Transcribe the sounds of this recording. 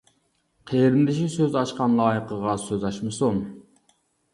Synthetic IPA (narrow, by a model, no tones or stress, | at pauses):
qʰeɾɪmd̪ɪʃisøzɑʃqɑnlˠɑːjəqəʁɑsøzɑʃmɨsum